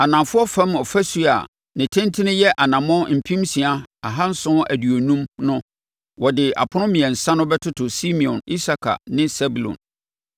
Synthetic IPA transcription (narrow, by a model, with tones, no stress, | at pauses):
a˨nã˨mfʊ˦ɔ˦fã˦mɔ˨fæ˦su˦a̰˨ | nɪ̃˨tʰɪ̃˦ntʰɪ˦nɪ̃˦jɛ˦ʔa˨nã˨mɔ̃˦m̩˨pʰĩ˦msĩ˨a˦a˨ɦã˦n̩˦sʊ̃˦ʔæ˨dɥo˨nũ˦mnʊ̃˦ | wɔ˨dɪ˨a̰˨pʰʊ˦nʊ̃˦mĩ˨ɛ̃˨n̩˨sã˦nʊ̃˦bɛ˦tʰʊ˦tʰʊ˨si˦mĩ˨ɔ̰̃˨ni˦sa˨kʰa̰˨nɪ̃˦sɛ˦bu˨lɔ̰̃˨n